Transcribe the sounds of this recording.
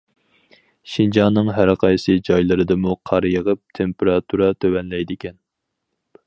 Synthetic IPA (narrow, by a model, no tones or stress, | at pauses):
ʃind͡ʒɑnːɨŋɦæɾqʰɑjsɨd͡ʒɑjlˠɨɾɨd̪ɨmuqʰɑɾjəʁəp̚t̪ʰempeɾɑt̪ʰuɾɑt̪ʰøwɛnlɛjd̪ɪkʲɛn